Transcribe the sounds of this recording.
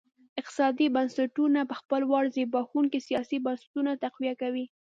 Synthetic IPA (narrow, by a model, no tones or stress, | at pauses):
ɪq̚t̪ɪ̥sɑd̪ibansaʈunapəxpəlwɑɽzebɑxuŋkesijɑsibansḁtunat̪aqwijakawi